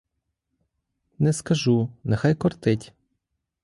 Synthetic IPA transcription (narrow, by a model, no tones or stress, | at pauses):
nɛskɐʒunɛxajkɔrt̪ɪtʲ